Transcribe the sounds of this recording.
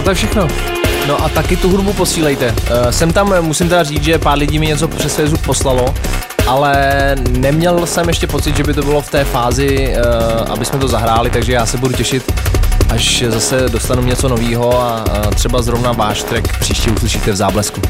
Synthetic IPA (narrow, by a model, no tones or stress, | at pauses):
not̪akfʃɛxno̞ | no̞ʔat̪akɪt̪uɦudbupo̞siːlɛjt̪ɛsɛmt̪amːusɪmt̪ɛdariːt͡sʒɛpaːɾlɪɟiːmɪɲɛt͡so̞pr̥ɛsfɛzup̚po̞slalo̞ | ʔalɛnɛmɲɛlsɛmjɛʃcɛpo̞t͡sɪd̪ʒɛbɪt̪obɪlo̞ft̪ɛːfaːzɪ | ʔa̰bɪsmɛt̪ozaɦɾaːlɪt̪aɡʒɛjaːsɛbuducɛʃɪt̪ʔaʃzasɛdo̞st̪anuɲɛt͡so̞no̞viːɦo̞at̪r̝̥ɛbazɾovnavaːʃt̪ɾɛkpr̥iːʃciuslɪʃiːt̪ɛvzaːblɛsku